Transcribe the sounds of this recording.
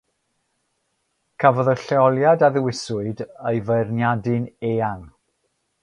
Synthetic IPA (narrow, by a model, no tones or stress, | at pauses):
kʰavɔðəɬɛɔlˠjadaðɪwɪsʊɨdəjvəjrnjadɨneːaŋ